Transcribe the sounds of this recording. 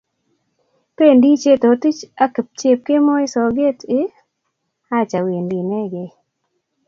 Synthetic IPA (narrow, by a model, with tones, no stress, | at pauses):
pe˦˨ndi˦t͡ʃe˦t̪o˨ti˦t͡ʃa˦kp̚t͡ʃe˦p̚ke˦mɔ˦e˦sɔ˨ɡe˦tɪ˦ | a˦t͡ʃa˨wi˨ndi˨nɛ˦ɡe˨